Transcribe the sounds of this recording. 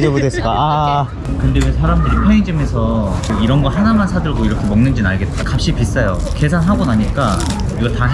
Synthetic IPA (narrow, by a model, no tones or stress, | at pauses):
d͡ʑʌbodesk͈aa | kɯndewesʰaɾamdɯɾipʰeiŋd͡ʑimesʰʌkoiɾʌnɡʌɭɦanamansʰadɯɭɡoiɾʌkʰemʌŋnɯnd͡ʑinaɭɡe̞t̚t͈akap̚ɕ͈ipis͈ʌjo | ke̞sʰanɦaɡonaɲik͈a | iɡʌɭta